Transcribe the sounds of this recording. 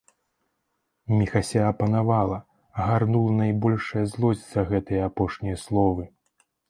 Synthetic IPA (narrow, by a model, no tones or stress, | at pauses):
mʲixasʲaɐpɐnavalˠɐ | ɐɣarnulˠɐnajbɔlʲʂɐjɐzlˠɔzʲit̪sɐɣɛt̪ɐjɐapɔʂnʲijɐslˠɔvɨ